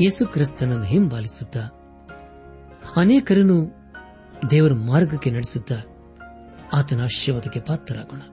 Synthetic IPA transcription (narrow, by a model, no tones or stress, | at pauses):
je̞ːsukɾist̪ɐnɐnːuɦimbaːlisud̪ːɐ | ɐneːkɐɾɐnu | d̪ɛːʋɐɾumaːɾɡɐkːenɐɽisud̪ːɐ | aːt̪ɐnaʃjɐʋɐd̪ɐkːepaːt̪ːɐɾaːɡoɳɐ